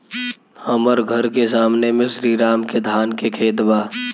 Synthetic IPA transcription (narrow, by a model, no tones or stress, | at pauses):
əməɾɡʱəɾkes̬aːmnemẽsɾiːɾaːmked̪ʱaːnkekʰeːt̪baː